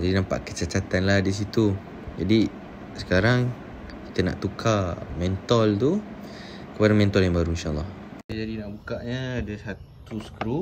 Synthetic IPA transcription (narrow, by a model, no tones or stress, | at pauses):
d͡ʒadinãmpa̰ʔkə̥t͡ʃat͡ʃat̪anlahdis̬it̪u | d͡ʒadi | sə̥kaɾaŋ | ki̥t̪əna̰ʔt̪ukʰamɛnt̪ɔlt̪u | kəpadamɛ̃nt̪ɔljaŋbaɾuinʃaʔlːɑhad͡ʒadinaʔbukaʔɲədəsat̪ | usə̥kɾu